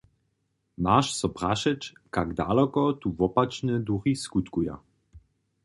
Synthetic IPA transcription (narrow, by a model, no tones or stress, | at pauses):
maʃsɔpraʃɛt͡ʃkaɡd̪a̰lɔkɔt̪uvɔpat͡ʃnɛd̪uɣiskut̪kuja̰